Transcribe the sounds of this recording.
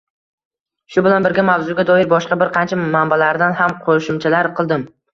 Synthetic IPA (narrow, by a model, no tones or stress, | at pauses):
ʃʊbɪlanbɪɾɡʲamawzʊɡʲad̪ɒɪɾbɒʃqɑbɪɾqʰɑnt͡ʃʰamambalaɾd̪anhamqʰoʃɪmt͡ʃʰalaɾqʰɨlˠd̪ɪm